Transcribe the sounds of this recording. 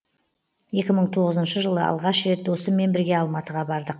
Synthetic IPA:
je̞kʲɪməɴt̪ʰo̞ʁəzənʃəʒəlˠə̰ɑ̰lˠʁɑʃɾe̞t̪̚d̪o̞səmːe̞nbɪɾɡʲe̞ɑlˠmɑt̪əʁɑbɑɾd̪əq

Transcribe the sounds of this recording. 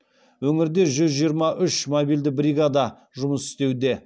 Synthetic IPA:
wɵŋɪɾd̪e̞ʒʏzʒijəɾmɑʔʏʃmobild̪ɪbɾijɡad̪ɑ | ʒʊməsɪ̥st̪e̞wd̪e̞

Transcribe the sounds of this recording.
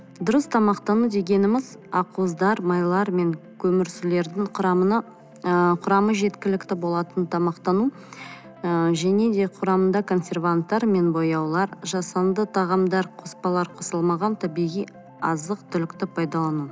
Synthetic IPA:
d̪ʊɾəst̪ʰɑmɑqt̪ɑnud̪e̞ɡʲe̞nɪmɪz | ɑquəzd̪ɑɾmɑjlˠɑɾme̞ŋkʲʰɵmɪɾsɪle̞ɾd̪ɪŋɑ | qʰʊɾɑməʒe̞t̪kʲɪlɪkʲt̪ɪbo̞lˠɑt̪ənt̪ʰɑmɑqt̪ɑnu | ʒæne̞d̪e̞qʰʊɾɑmənd̪ɑkʰo̞nsʲe̞ɾvant̪ːɑɾme̞nbo̞jɑwlˠɑɾʒɑsɑnd̪ət̪ʰɑʁɑmd̪ɑɾqʰo̞spɑlˠɑɾqʰo̞səlˠmɑʁɑnt̪ʰæbijʁij | ɑzəq̚t̪ʰʏlɪkt̪ɪpʰɑjd̪ɑlˠɑnu

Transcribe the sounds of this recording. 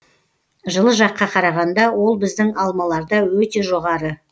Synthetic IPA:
ʒəlˠəʒɑqːɑqʰɑɾɑʁɑnd̪ɑwo̞lˠbɪzd̪ɪŋɑlˠmɑlˠɑɾd̪ɑwɵt̪e̞ʒo̞ʁɑɾə

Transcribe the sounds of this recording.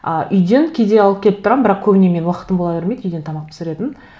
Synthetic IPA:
əʔʏjd̪e̞nkʲʰed̪e̞ɑlˠəp̚kʲʰelɪp̚t̪ʊɾɑmmbɪɾɑq̚kʲʰɵbɪne̞me̞nwɑqət̪əmbolˠɑbeɾme̞jd̪ʏjd̪e̞nt̪ʰɑmɑq̚t̪ʰɪ̥sɪɾe̞t̪ɪn

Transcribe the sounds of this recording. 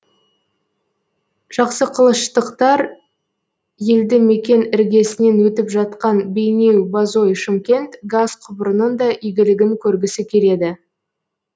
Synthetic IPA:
ʒ̥ɑqsəqʰəlˠəʃt̪əqt̪ɑɾ | je̞ld̪ɪme̞kʲe̞nɪɾɡʲe̞sɪne̞nwɵt̪ɪpʒɑt̪̚qɑnbe̞jne̞wbazo̞jʃɪmkʲe̞nt̪ɡazqʰʊbəɾənənd̪ɑʔijɡʲɪlɪɡʲɪŋkʲʰɵɾɡʲɪsɪkʲʰe̞ɾe̞d̪ɪ

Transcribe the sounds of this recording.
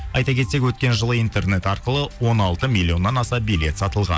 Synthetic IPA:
ɑjt̪ɑkʲʰe̞t̪se̞kʲwɵt̪kʲe̞nʒəlˠəijnt̪e̞rne̞t̪ɑɾqəlˠəwo̞nɑlˠt̪əmilʲːio̞nːɑnɑsɑbijlʲe̞t̪sɑt̪əlˠʁɑ̰n

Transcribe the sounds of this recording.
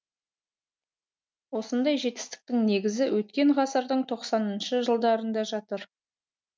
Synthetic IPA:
wo̞sənd̪ɑjʒe̞t̪ɪst̪ɪ̥k̚t̪ɪŋne̞ɡʲɪzɪwʔɵt̪̚kʲe̞ɴʁɑsəɾd̪əɴt̪ʰo̞qsɑnənʃəʒəlˠd̪ɑɾənd̪ɑʒɑt̪əɾ

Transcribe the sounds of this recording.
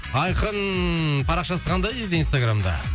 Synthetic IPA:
ɑjqənpʰɑɾɑqʃɑsəqʰɑnd̪ɑjd̪ed̪einst̪aɡramd̪ɑ̰

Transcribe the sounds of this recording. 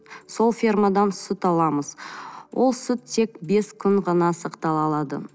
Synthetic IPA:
so̞lˠfʲirmad̪ɑnsʊt̪ɑlˠɑməzwʔo̞lˠsʊt̪ʰːe̞kbe̞skʲʰʏɴʁɑnɑsɑqt̪ɑlˠɑlˠɑd̪ə̰

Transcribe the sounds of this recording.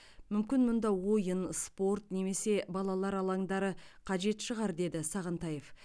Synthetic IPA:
mʏmkʲɪnmʊnd̪ɑwo̞jənspo̞ɾt̪ne̞me̞se̞bɑlˠɑlˠɑɾɑlˠɑŋd̪ɑɾəqʰɑʒe̞t̪ʃəʁɑɾd̪e̞d̪ɪsɑʁənt̪ɑje̞f

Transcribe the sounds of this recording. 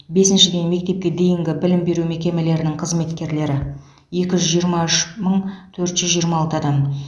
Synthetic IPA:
be̞sɪnʃɪd̪e̞jnme̞k̚t̪e̞p̚kʲe̞d̪e̞jɪŋɡʲɪbɪlɪmbe̞ɾumekʲe̞me̞le̞ɾɪnɪŋqʰəzme̞t̪kʲe̞ɾle̞ɾɪ | je̞kʲɪʒʏzʒijəɾmɑʏʃməɴt̪ʰɵɾt̪ʒ̥ʏzʒijəɾmɑɑlˠt̪əɑd̪ɑm

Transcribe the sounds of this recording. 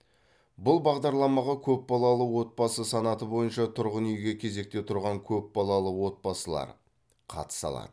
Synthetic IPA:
bʊlˠbɑʁd̪ɑɾlˠɑmɑʁɑkʲʰɵp̚bɑlˠɑlˠəwo̞t̪̚bɑsəsɑnɑt̪əbo̞jənʃɑt̪ʰʊɾʁənʏjɡʲe̞kʲʰe̞ze̞k̚t̪e̞t̪ʰʊɾʁɑŋkʲʰɵp̚bɑlˠɑlˠəwo̞t̪̚bɑsəlˠɑ̰ɾ | qʰɑ̰t̪ə̥sɑ̰lˠɑ̰d̪̥ə

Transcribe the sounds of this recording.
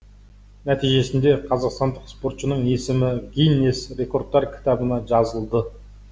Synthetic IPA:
næt̪ijʒe̞sɪnd̪e̞qʰɑzɑqst̪ɑnd̪əqspo̞ɾt̪ʃənəɴe̞sɪmɪɡʲinʲesre̞ko̞rd̪̚ːɑɾkʲʰɪ̥t̪ɑbənɑʒɑzəlˠd̪ə

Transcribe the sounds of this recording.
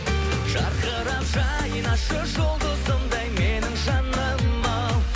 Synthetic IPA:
ʒ̥ɑɾqəɾɑpʒɑ | jənɑʃəʒolˠd̪əd̪əmd̪ɑjme̞nɪŋʒɑnəmmːɑw

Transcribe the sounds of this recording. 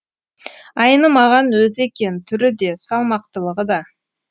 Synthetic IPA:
ɑjnəmɑʁɑnwɵze̞kʲe̞nt̪ʰʏɾɪd̪e̞sɑlˠmɑq̚t̪əlˠəʁəd̪ɑ

